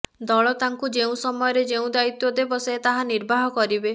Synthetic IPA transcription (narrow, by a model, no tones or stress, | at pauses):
d̪ɔɭɔt̪aŋkud͡ʒeũsɔmɔjɔɾed͡ʒeũd̪ait̪jɔd̪ebɔset̪aɦaniɾbʱaɦɔkɔɾibe